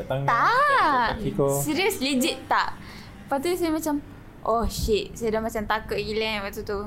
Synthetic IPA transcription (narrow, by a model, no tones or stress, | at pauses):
ʔt̪aŋt̪a | ikosiɾiəslid͡ʒit̪t̪aʔ | pat̪usajamat͡ʃam | ʔɔhʃiʔ̪̚sajadahmat͡ʃant̪akəʔɡilɛŋpat̪ut̪u